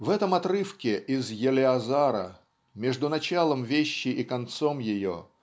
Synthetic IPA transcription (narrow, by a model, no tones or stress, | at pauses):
vɛt̪əmɐt̪ɾɨfkʲɪʔɪzjɪlʲɪɐzaɾə̰ | mʲeʐd̪ʊnɐt͡ɕalˠəmvʲeɕːɪʔikɐnt̪somjɪjo̰